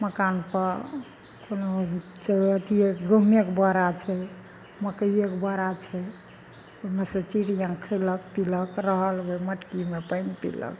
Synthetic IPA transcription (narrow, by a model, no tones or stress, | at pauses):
məkanpəɾ | kono | t͡ʃeəʈ̪iekɡumjekbəɾat͡ʃʰɛ | məkəjekbəɾat͡ʃʰɛ | omesə̃t͡ʃiɽjãkʰələkpiləkɾəɦəlboməʈkimepənpḭlə̰k